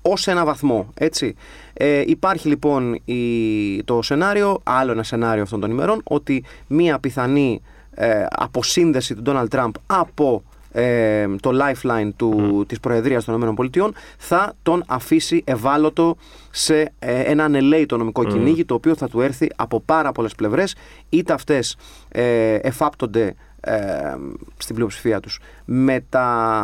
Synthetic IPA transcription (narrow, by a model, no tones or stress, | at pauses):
o̞se̞nɐvɐθmo̞e̞t͡si | eʔipɐɾçilipo̞nit̪o̞se̞nɐɾio̞ʔɐlo̞e̞nɐse̞nɐɾioɐft̪o̞nt̪o̞nime̞ɾo̞no̞t̪i | miɐpiθɐni | ɐ̰po̞sinðe̞sit̪ud̪o̞nɐld̪̚t̪ɾɐmbɐpo̞ | et̪o̞lɐjflɐjnt̪ut̪ispɾo̞e̞ðɾiɐst̪oninome̞no̞mpo̞lit̪io̞nθɐt̪o̞nɐfisiʔe̞vɐlo̞t̪o̞ | se̞enɐne̞leit̪o̞no̞miko̞ciniʝit̪o̞ːpio̞θɐt̪ue̞ɾθiʔɐpo̞pɐɾɐpo̞le̞sple̞vɾe̞s | it̪eɐft̪e̞s | efɐpt̪o̞nd̪e̞ | st̪imblio̞psi̥fiɐt̪u̥s | me̞t̪ɐ